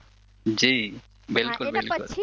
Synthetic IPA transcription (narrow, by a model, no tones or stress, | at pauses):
d͡ʒi | belkulbelʊ̰l